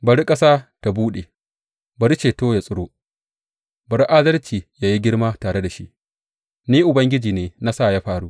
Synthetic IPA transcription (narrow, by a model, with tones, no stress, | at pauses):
bɐ˨ɽi˦kʼɐ˦saː˦ta˨buː˦ɗe˨ | bɐ˨ɽi˦t͡ʃeː˨toː˦ja˨sʼʊ˦ɽoː˦ | bɐ˨ɽi˦ʔa˦dɐ˦lt͡ʃiː˨jaː˦ji˦ɡʲɪ˦ɽmaː˦taː˨ɾe˦da˨ʃi˦ʔ | niː˦ʔʊ˨bɐ˦ŋɡʲɪ˦d͡ʒiː˨neː˨na˦sa˦˨ja˦ɸaː˨ɽuː˦ʔ